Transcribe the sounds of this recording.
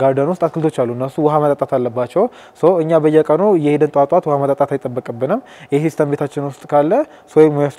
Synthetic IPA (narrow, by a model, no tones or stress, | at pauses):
ɡaɾd̪anwʊst̪ʼaskɨlt̪ʰot͡ʃːalːuɨnːəsuwɔɦamət̪ʼat̪ʼat̪ʰalːəbːat͡ʃːɛw | səwɨɲːabəjːɛkʼənujɛhed̪ənt̪ʼwat̪ʼwat̪whamət̪ʼat̪ʼat̪ʰajt̪ʼːəbːəkʼəbːɨnɨm | jɛsist̪ʰəmbe̞t̪ʰat͡ʃːɪnwʊst̪ʼkʰalːə | səwmːoja